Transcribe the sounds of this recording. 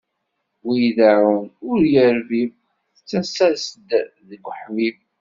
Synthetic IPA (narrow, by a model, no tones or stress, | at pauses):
wijðæʕənʊɾjəɾviv | θət͡sːæsæsəd̪ðəɡʷːħmiv